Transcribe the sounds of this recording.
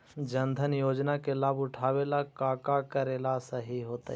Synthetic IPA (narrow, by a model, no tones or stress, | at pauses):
d͡ʒɐnd̪ʱənjoːd͡ʒnakelaːbʊʈʰaːʋeːlakaːkakɐɾeːlasɐɦiɦoːt̪a